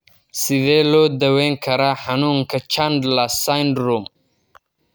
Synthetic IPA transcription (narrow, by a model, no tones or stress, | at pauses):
sɪðɛːlɔːd̪ɐwɛːŋkʰɐɾaħɑnuːŋkʰɐt͡ʃand̪lɐsajnd̪ɾum